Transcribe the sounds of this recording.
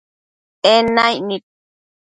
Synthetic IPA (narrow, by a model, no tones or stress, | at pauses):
enajnit̪̚